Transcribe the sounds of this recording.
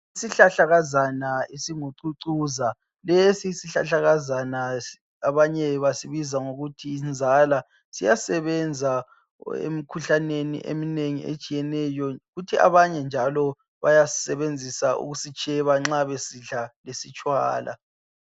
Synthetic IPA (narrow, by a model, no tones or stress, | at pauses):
isiɬaɬaɣazanaesiŋuǀuǀuza | lɛsisiɬa̰ɬaɣazana | aβaɲɛβasiβizaŋoɣutʰiːnd͡zʱala | sijasɛβɛnd͡zʱa | ḛmikʰuɬanenḭʔḛmineŋḭʔḛt͡ʃʼijɛnɛjɔɣutʰia̰βaɲɛnd͡ʒʱalɔ | βajasɛβend͡zʱisaʔṵɣusit͡ʃʼɛβaŋ͡ǁaβesiɮalesit͡ʃʼwa̰ːla̰